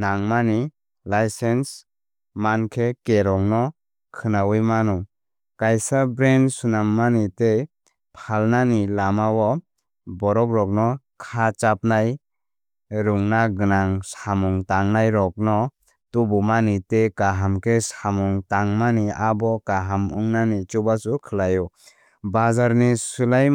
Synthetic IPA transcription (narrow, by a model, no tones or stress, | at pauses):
naŋmani | lajsens | mankʰekeɾɔŋnɔ | kʰɯnawɯjmanɔ | kajsabɾensunamːanite | pʰalnanilamawɔ | bɔɾɔkɾɔk̚nɔ | kʰat͡ʃap̚naj | ɾuŋnaɡɯnaŋsamuŋtaŋnajɾɔk̚nɔ | tubumanitekaɦamkʰesamuŋtaŋmaniabɔkaɦamuŋnanit͡ʃubasukʰɯlajɔ | bazaɾnisulaj